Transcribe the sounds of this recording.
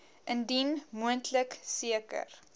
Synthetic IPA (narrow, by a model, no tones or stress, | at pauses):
ʔəndinmuəntləksiəkə̰r